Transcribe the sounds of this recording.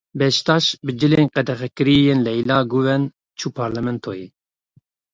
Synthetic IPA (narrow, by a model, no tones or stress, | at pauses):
bɛʃt̪ɑːʃbɨd͡ʒɨleːnqɛd̪ɛxɛkɨɾijeːnlɛjlɑːɡuvɛn | t͡ʃʰuːpʰɑɾlɛmɛnt̪ʰojeː